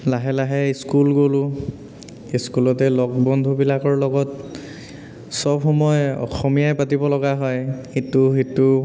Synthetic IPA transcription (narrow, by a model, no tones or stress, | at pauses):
laɦɛlaɦɛskulɡolʊ | eskulɔtɛlɔk̚bɔndʱubilakɔɹlɔɡɔt | sɔbxɔmɔjɔ̰xɔmijajpatibɔlɔɡaɦɔjxituxitːʊ